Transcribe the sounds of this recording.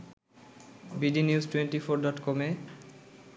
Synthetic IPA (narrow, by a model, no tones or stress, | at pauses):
biɖiniuzʈwenʈifoɾɖɔʈkɔme